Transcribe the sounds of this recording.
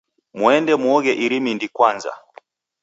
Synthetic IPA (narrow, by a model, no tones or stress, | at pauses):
mwɛndɛmwɔɣɛʔiɾimindikwanza̰